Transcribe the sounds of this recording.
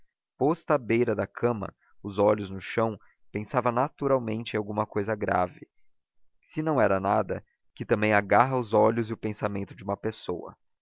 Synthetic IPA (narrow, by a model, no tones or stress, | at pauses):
pɔst̪ɐabejɾɐd̪ɐkʰɐ̃mɐ̰ | ʊzɔʎʊznʊʃɐ̃w̃ | pẽsavɐnat̪uɾawmẽnt͡ʃɪẽawɡũmɐkojzɐɡɾa̰vɪ | sɪnɐ̃w̃ɛɾɐnad̪ɐ̰ | kɪt̪ɐ̃mbẽj̃aɡaɦɐʊzɔʎʊzɪʊpẽsamẽnt̪ʊd͡ʒɪũmɐpesowɐ̰